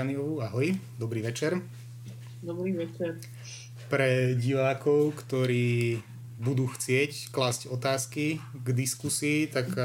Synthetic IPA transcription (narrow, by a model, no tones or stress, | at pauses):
aniɔʋuaɦɔjd̪ɔbɾiːʋɛt͡ʃɛɾ | d̪ɔbɾiːʋɛt͡ʃɛɾ | pɾɛɟiʋaːkɔʊkt̪ɔɾiː | bud̪uːxt͡sɪɛcklazɟɔt̪aːskiɡd̪iskusiːt̪ak